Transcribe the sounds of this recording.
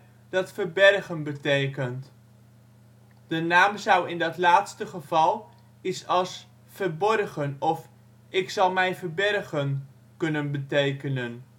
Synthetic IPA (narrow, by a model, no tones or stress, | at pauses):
d̥ɑtfərbɛrχənbətejkənt | d̥ənaːmzʌwɪndɑtlaːtstəχəv̥ɑlˠ | isɑlˠs | fərbɔrχənɔf | ɪksɑlˠmɛjvəɹbɛrχən | kɵnənbətejkənən